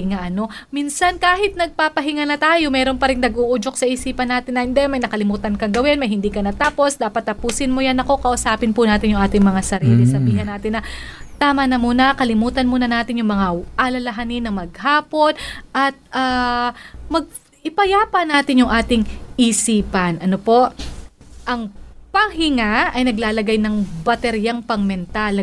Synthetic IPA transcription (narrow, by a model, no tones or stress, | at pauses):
ŋaʔɐno̞miːnsɐnkaːhɪt̪̚nɐɡ̚paːpɐɦɪŋanɐt̪aːjo̞mɛːɾonpɐɾɪŋnɐɡʔuːʔud͡ʒok̚sɐʔiːsiːpɐnːaːt̪ɪnːɐnd̪ɛɛmɐjnɐkɐlɪmuːt̪ɐnkɐŋɡɐwɪnmɐjhɪnd̪iːkɐnɐt̪aːpo̞sd̪aːpɐt̪ːɐpuːsɪnmojanɐko̞kɐʔʊsaːpɪnpʊnaːt̪ɪnjʊŋʔaːt̪ɪŋmɐŋasɐɾḭːlɪsɐbiːɦɐnːaːt̪ɪnːɐt̪aːmɐnɐmuːnɐkɐlɪmuːt̪ɐnmuːnɐnaːt̪ɪnjʊŋmɐŋaʔalɐlɐɦanɪnːɐŋmɐɡ̚haːpo̞nʔɐt̪̚ʔaː | mɐɡ̚ | ɪpɐjaːpɐnaːt̪ɪnjʊŋʔaːt̪ɪŋʔisiːpɐnʔɐnopo̞ʔ | ʔɐŋpɐŋhɪŋaɐjnɐɡlaːlɐɡajnɐŋbɐt̪ɛɾjaŋpɐŋmɛnt̪al